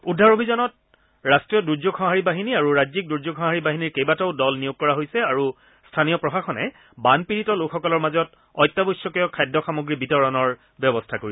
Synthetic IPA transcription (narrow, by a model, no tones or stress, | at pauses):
udʱːaɹobʱizɔnɔt̚ | ɹastɹijɔduɹd͡ʒoɡxɔ̃ɦaɹibaɦiniaɹuɹazik̚duɹzoɡxɔ̃ɦaɹibaɦiniɹkejbatɛʊdɔlnijuɡ̚kɔɹaɦojsɛaɹu | stʰanijɔpɹɔxaxɔnɛ̰ | banpiɹitɔlokxɔkɔlɔɹmazɔt | ɔjtːabojsɔkɔjɔkʰajdʱːɔxamoɡɹibitɔɹɔnɔɹ | bjɔbɔstʰakoɹi